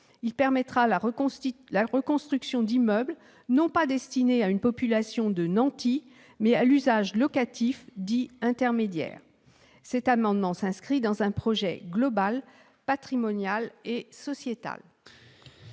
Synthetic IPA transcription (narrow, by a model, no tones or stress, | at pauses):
ilpɛʁmɛt̪χalaʁlaʁəkɔ̃st̪χyksjɔ̃d̪imœbl | nɔ̃pad̪ɛst̪ineaynpɔpylasjɔ̃d̪ənɑ̃t̪i | mɛalyzaʒlɔkat̪ifd̪iɛ̃t̪ɛʁmed̪jɛ̰ːʁ | sɛt̪amɑ̃d̪mɑ̃sɛ̃skχid̪ɑ̃zɛ̃pχɔʒɛ̰ɡlɔbal | pat̪χimɔnjalesɔsjet̪a̰l